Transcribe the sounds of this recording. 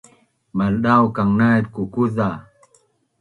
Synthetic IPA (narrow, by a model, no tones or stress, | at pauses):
malɗawkaŋnat̚kukuza